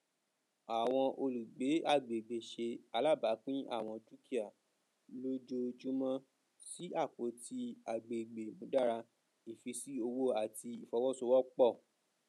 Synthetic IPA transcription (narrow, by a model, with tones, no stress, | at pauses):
a˨w̃ɔ̃˧ʔo˧lu˨ɡ͡be˨˦a˦˨ɡ͡be˨ɡ͡be˨ʃe˧a˧˦la˦˨ba˨˦k͡pĩ˦ʔa̰˦˨w̃ɔ̃˧tɾu˦ki˦a˨ | lo˦d͡ʒo˦d͡ʒu˦mɔ̃˦ | si˦a˦˨k͡po˨˦ti˧a˨ɡ͡be˨ɡ͡be˨mũ˨˦da˦˨ɾa˧ | i˨fi˧si˦o˧wo˦a˨ti˧i˨fɔ˧˦wɔ˦so˧˦wɔ˦k͡pɔ˦˨